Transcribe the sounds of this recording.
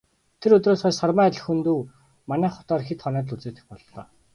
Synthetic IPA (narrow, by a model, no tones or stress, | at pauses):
t̪ʰeɾɵt̪roːsχæːsɔrmæːt̪ʲɮɘ̆xunt̪uː | manæːχʊ̥t̪ɔːrxet̪χɔnæːt̪ɮut͡seːt̪ɘ̆xpɔɮt̪ɔ̰ː